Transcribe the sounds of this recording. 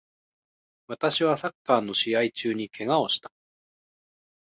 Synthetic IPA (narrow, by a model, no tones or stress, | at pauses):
βat̪aɕiβasakːaːnːo̞ɕiait͡ɕɨːɲ̟ikʰe̞ŋao̞ɕi̥t̪ḁ